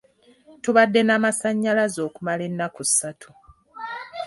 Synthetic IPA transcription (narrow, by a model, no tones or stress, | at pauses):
tuβadːe̞namasaɲːalazo̞ːkumale̞nːakusatʰu̥